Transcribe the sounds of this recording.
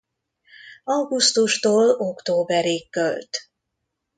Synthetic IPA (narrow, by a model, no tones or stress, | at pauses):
ɒwɡust̪uʃt̪oːlo̞kt̪oːbɛɾiːkːølt̪